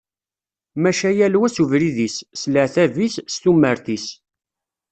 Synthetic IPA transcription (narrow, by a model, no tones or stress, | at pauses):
mæʃæjælwæsuvɾiðissləʕθævisst̪umːəɾθis